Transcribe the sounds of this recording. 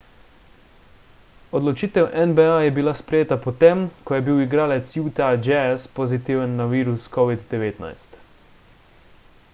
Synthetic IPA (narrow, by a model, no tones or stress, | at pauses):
ɔd̪lɔt͡ʃiːt̪ɛwʔɛnbɛajɛbilaspɾɛjeːt̪apɔt̪emkɔjɛbiwiɡɾaːlɛt̪sjut̪ad͡ʒɛspozit̪iːwənːaʋiːɾuskɔʋid̪d̪ɛʋeːt̪na̰jst̪